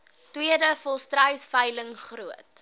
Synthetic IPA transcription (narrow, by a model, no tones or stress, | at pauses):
twiədəfɔlˠstrəjsfəjləŋχruət̚